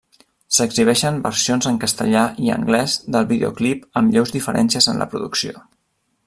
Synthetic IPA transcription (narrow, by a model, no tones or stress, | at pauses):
səɡziβ̞ɛʃəmbə̰ɾsionzəŋkəst̪əʎaʔiə̰ŋɡlɛzðəlˠβiðḛo̰klipəmʎɛwzðifəɾʔɛ̰nsiəzənlʔə̰pɾuðuksio